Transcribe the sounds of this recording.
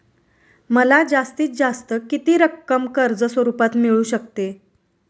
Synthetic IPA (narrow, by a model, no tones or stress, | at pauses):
məlad͡zast̪iːt͡s̚d͡zast̪əkit̪iːɾəkːəmkəɾd͡zəsʋəɾupat̪miɭuːɕək̚t̪e